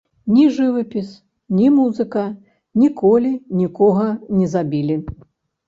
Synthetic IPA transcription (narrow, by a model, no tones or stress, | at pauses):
nʲiʐɨvɐpʲis | nʲimuzɨkɐ | nʲikɔlʲinʲikɔɣɐnʲɛzabʲilʲi